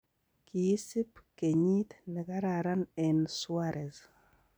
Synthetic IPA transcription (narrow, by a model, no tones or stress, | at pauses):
kiisipkeɲit̪nɛkaɾaɾanɛnswaɾʔɛz